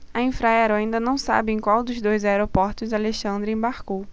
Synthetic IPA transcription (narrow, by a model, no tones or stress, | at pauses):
ɐĩfɾajɛaɾwaĩnd̪ɐnɐ̃w̃sa̰bɪẽj̃kwawd̪ʊzd̪ojzaeɾopɔɾt̪ʊzaleʃɐ̃nd̪ɾɪẽbaɾkow